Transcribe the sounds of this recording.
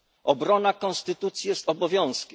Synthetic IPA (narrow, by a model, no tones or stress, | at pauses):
ɔbɾɔnakɔ̃nst̪ɘt̪ut̪sʲjijɛst̪ɔbɔvʲjɔ̃w̃skʲɛ